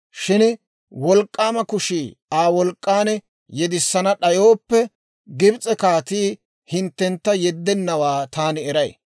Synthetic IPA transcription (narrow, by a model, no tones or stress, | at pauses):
ʃɪn | wɔlkʼːaːmɐkʊʃiːaːwɔlkʼːaːnɛ | jɛd̪ɪsːɐnɐɗɐjo̞ːpːɛ | ɡɪbt͡sʼɛkaːt̪iː | hɪnt̪ːɛnt̪ːɐjɛd̪ːɛnːɐwaːt̪aːnɪɛɾɐj̰